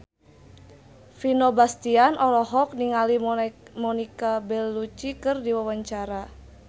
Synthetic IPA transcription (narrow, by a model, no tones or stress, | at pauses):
finobast̪ianʔɔlɔɦɔk̚niŋalimɔnikabɛlːut͡ʃikɨrdiwawaɲt͡ʃaɾa